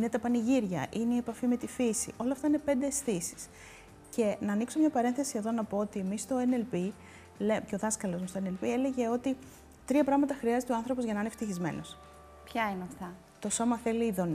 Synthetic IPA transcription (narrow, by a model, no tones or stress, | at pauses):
ine̞t̪ɐpɐniʝiɾʝɐ̰ʔine̞ie̞pɐfime̞t̪ifisiʔo̞lɐft̪ɐine̞pe̞nd̪eːsθisi̥s | ce̞nɐːnikso̞mɲɐpɐɾe̞nθe̞sieðo̞nɐpo̞ot̪iemist̪o̞enelpi | leceo̞ðɐskɐlo̞zmust̪oene̞lpie̞le̞ʝe̞o̞t̪i | t̪ɾiɐpɾɐɣmɐt̪ɐxɾiɐzet̪oɐnθɾo̞po̞zʝɐnɐineft̪içizme̞̰no̞s | pçɐinɐft̪ɐ | t̪o̞so̞mɐθeliːðo̞n